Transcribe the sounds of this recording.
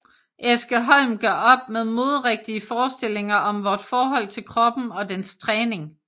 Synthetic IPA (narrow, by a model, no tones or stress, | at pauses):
ʔesɡ̥əɦɒlmɡ̥ɶɐ̰ɒ̽b̥̚meðˠmo̝ːðˠʁeɡ̥̚d̥iəfɒːsd̥e̝l̰e̝ŋɐʔɒ̽mʋɒːd̥fɒːɦɒ̽l̰t͡sʰe̝lkʰʁɒ̽b̥n̩ɒ̽d̥enst͡sʰʁɛːne̝ŋ